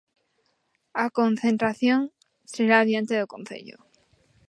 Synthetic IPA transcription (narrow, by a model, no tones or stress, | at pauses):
akonθe̞nt̪ɾaθjoŋ | seɾaːβjent̪eðokõnθḛʎo̰